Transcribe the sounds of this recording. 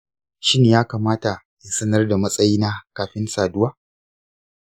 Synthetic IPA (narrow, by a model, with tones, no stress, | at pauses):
ʃi˦neː˨jaː˦kaː˨maː˦ta˨ | ja˨sɐ˦nɐ˦rda˨mɐ˦sʼɐ˦jiː˦naː˦kaː˨ɸɪ˦nsaː˨dʊ˦waː˦